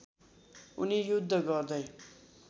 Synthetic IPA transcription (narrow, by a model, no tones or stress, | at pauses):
unijud̪ʱːʌɡʌrd̪ʌj